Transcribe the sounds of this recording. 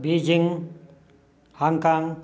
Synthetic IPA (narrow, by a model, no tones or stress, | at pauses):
bid͡ʒiŋ | haŋkaŋ